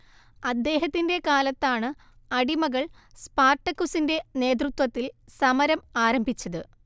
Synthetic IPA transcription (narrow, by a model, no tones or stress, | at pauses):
ɐd̪ːe̞ːɦɐt̪ːinde̞kaːlɐt̪ːaːɳɨ | ɐɽimɐɣɐɭ | spaːrʈːɐkːusinde̞ne̞ːt̪̬rut̪wɐt̪ːilsɐmɐɾɐmaːɾɐmbʱit͡ɕːɐðɨ